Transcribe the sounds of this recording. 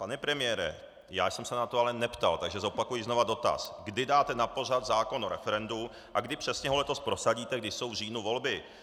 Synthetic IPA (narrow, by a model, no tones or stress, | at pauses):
panɛpɾɛmɪjɛːɾɛ̰ | ja̰ːjsɛmsɛnat̪oalɛnɛpt̪a̰lt̪aɡʒɛzo̞pakujɪzno̞vado̞t̪a̰sɡdɪdaːt̪ɛnapo̞rad̪zaːko̞noɾɛfɛɾɛndu | ʔaɡdɪpr̥ɛsɲɛɦo̞lɛt̪o̞spɾo̞saɟiːt̪ɛɡ̚dɪʃso̞wvr̝iːnuvo̞lbɪ